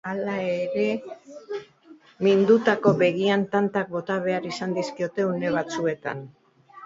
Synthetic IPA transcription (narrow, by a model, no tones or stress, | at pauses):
alaeɾe̞ | mind̪ut̪ako̞βe̞ɣiant̪ant̪ak̚bo̞t̪aβe̞aɾisand̪iskio̞t̪e̞une̞β̞at͡sue̞t̪a̰n